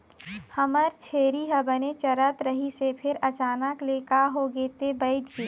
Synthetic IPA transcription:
həməɾt͡ʃʰeːɾiɦəbənet͡ʃəɾət̪ɾəɦisepʰɪɾət͡ʃaːnəklekaɦoɡeːt̪ebəɪd̪ɡeː

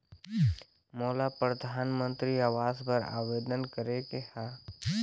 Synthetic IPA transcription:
moːlapɾəd̪ʱaːnmə̃nt̪ɾiaːʋaːzpəɾa̰ːʋeːd̪ənkəɾeɡehaː

